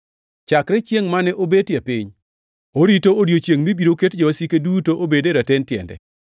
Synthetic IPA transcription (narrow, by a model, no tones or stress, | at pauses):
t͡ʃakɾɛt͡ʃjeŋmanɛʔobetjepɪ̰ɲ | oɾitooɾjot͡ʃjeŋmibiɾoketd͡ʒoasikedutoʔobedeɾatentjɛ̰ndɛ̰